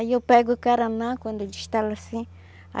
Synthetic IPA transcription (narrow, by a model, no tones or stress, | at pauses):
jopeɡokaɾanãkʷand̪od͡ʒiʃt̪alasĩ | a̰